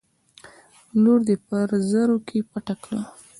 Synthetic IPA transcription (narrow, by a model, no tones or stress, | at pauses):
loɾd̪epəɾzəɾokʰepaʈaklə